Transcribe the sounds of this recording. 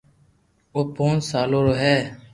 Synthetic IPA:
oːpoːnsaːloːɾoːɦɛː

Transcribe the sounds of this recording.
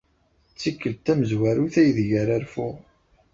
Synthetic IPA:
t͡sːikːəlt̪æməzwæɾuθæjðʝæɾæɾfuʁ

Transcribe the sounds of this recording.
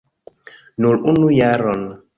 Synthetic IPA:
nulunujaɾɔn

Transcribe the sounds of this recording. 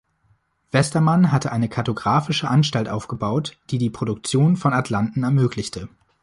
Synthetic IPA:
v̥ɛstɐmanɦatʰəʔaɪnəkʰaɐtoɡʁaːfɪʃəʔanʃtaltʔaʊfɡ̥əbaʊtd̥iːdiːpʁ̥oɾʊk̚t͡sjoːnfɔnatʰlantn̩ɛɐmøːklɪçtʰə

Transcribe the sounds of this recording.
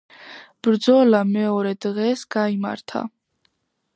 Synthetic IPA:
b̥ɾd̪zɔlamɛɔɾɛd̪ʁɛsɡ̥aima̰ɾt̪ʰa̰

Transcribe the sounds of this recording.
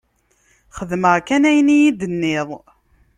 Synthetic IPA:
χəðməʁkænæjnijid̪ənːɪðˤ

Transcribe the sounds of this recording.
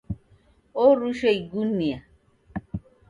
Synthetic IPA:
oɾuʃeiɡunia

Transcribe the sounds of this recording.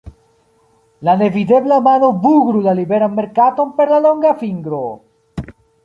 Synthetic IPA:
lanevid̪eblamanobuɡɾulalibeɾamːeɾkat̪ompeɾlaloŋɡafiŋɡɾo

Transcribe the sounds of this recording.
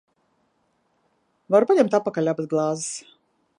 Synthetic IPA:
vaɾpanʲɛmt̪apːakalʲabət̪̚ɡlˠɑːzɨs

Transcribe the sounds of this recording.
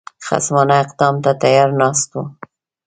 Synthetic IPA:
xa̰smɑnaɪqd̪ɑmt̪at̪ajɑɾnɑst̪u

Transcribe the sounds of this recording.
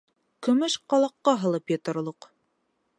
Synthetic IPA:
kɵ̆mɵʃqɑlˠɑqːɑɦɤ̆lˠɤpjɤ̆t̪ɤ̆ɾlˠɤq

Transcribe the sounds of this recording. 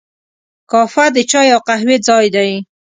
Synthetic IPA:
kɑfad̪ət͡ʃɑjawqaɦwed͡zɑjd̪aj

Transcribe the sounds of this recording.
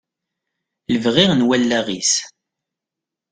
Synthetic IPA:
ləvʁiʁnwælːæʁis

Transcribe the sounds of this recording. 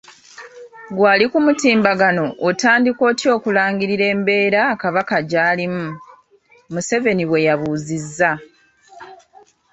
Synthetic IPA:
ɡwaːlikumutiːmbaɡanootaːndiko̞ːcio̞ːkulaːŋɟiɾiɾe̞ːmbe̞ːɾakaβakaɟaːlimu | muse̞ve̞niβwe̞jaβuːzizːa

